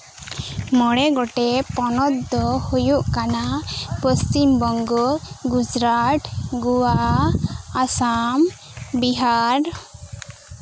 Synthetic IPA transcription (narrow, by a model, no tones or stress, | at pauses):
mɔɽɛɡɔʈɛpɔnɔt̪̚d̪ɔhujuʔkanapəst͡ʃimbɔŋɡɔɡud͡ʒɾaʈɡuwa | asam | biɦaɾ